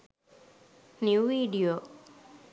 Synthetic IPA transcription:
njuʋiɖio

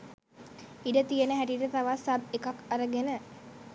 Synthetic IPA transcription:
iɖət̪ijənəɦæʈiʈət̪aʋasabekakaɾəɡenə

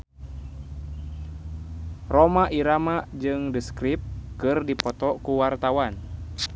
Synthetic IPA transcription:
romaʔiɾamad͡ʒɨŋdɨskɾip̚kɨrdipɔt̪ɔkuwart̪awan

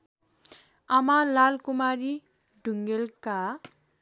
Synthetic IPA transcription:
ʌmalalkumaɾi | ɖʱuŋɡelka

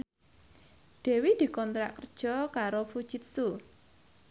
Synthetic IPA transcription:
d̪̥ɛ̤wid̪̥i̤kɔnt̪ɾa̰ʔkərd̥ʒ̥ɔ̤kaɾofud̥ʒ̥i̤t̪̚su

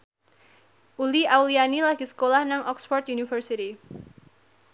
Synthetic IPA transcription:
ʔuliawlianilaɡ̥isə̥kolahnaŋʔɔksfɔrt̪junifərsiti

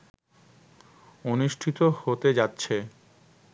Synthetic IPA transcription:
onuʃʈʰit̪ohot̪ed͡ʑatːɕʰe

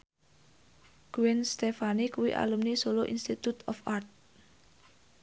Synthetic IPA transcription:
ɡ̥uwɛnst̪efanikuwḭʔa̰lumnisoloʔinst̪it̪ut̪ɔfʔart̪̚

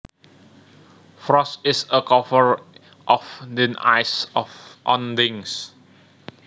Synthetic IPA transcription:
fɹɔstɪsəkɔvəɹ | ʔɔfdɪ̃na̰jsɔfʔɔ̃ndɪ̃ŋs

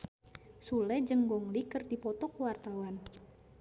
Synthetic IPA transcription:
sulɛd͡ʒəŋɡɔŋlikərdipɔt̪ɔkuwart̪awan

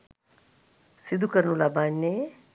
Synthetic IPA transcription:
sid̪ʱukəɾnulabanːe

